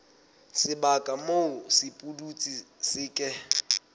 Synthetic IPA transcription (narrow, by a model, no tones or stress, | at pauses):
sɪbakʼamoʊsɪpʼudut͡sʼisɪːkʼɛ